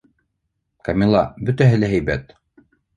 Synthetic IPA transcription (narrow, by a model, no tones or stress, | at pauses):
kɐmʲilˠɑbɵ̆t̪æɦɘlæɦæjbæt̪